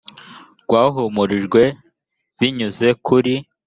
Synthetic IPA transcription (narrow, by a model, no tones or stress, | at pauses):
ɡ̥waːɦumuɾiʒɡwe̞ | βiɲuze̞kʰuɾi